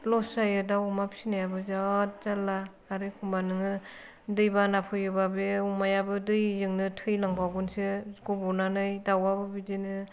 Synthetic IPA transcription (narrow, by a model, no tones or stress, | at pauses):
lɔsajɯdawmapʰsinajabɯzat̚zalːaː | ɾɯkʰumbanɯŋɯ | dɯjbanapʰɯjɯbabeumajabɯdɯjzɯŋnɯtʰɯjlaŋbaɡɯnsɯɡɔbɔnanɯjdawabɯbidenɯ